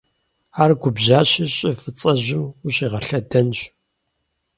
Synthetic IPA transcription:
aːrɡʷʊbʑaːɕɪɕʼɪfɨt͡sʼɐʑɪmuɕʼiːʁɐɬɐdɐnɕ

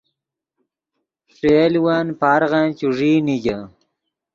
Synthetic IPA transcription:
ʂelwanpaɾʁant͡ɕuʐiːniɡɐ

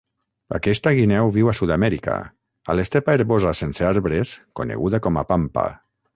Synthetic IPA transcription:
a̰kɛst̪aɣinɛwβiwasuðamɛɾika̰ | alest̪epaeɾβozasenseaɾβɾeskonḛɣuðakɔmapampa̰

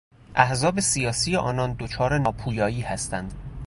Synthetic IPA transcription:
ʔæhzɒːbe̞sijɒːsiːjeʔɒːnɒːnd̪ot͡ʃʰɒːɾe̞nɒːpʰuːjɒːiːhæst̪ænd̪̥

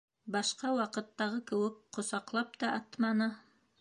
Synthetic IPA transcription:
bɑʃqɑwɑqɤ̆t̪ːɑʁɤkɘ̆wɘk̚qŏsɑqlˠɑp̚t̪ɑʔɑt̪mɑnɤ

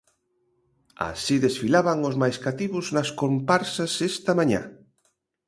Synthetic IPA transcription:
a̰siðesfilaβaŋʊzmajskat̪iβʊznɐskompaɾsɐsest̪ɐmãɲa̰

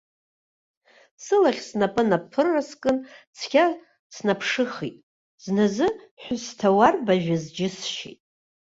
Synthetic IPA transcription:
sɨlaχʲsnapʼɨnapʰɨrːaskʼɨnt͡sʰkʲa | snapʰʂɨχitʼ | z̥nazɨ | ħʷᶣʊstʰawarbaʒᶣazd͡ʒɪsʃḛtʼ

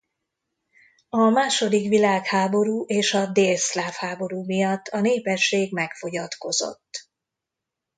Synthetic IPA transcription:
ɒmaːʃo̞d̪ikʋilaːkhaːbo̞ɾuːʔeːʃɒd̪eːslaːfhaːbo̞ɾuːmijɒt̪ʰːɒneːpɛʃːeːɡmɛkfo̞ɟɒt̪ko̞zo̞̰t̪ː

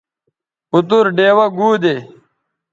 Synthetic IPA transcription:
ut̪uɾɖeːwɐɡuːd̪eː

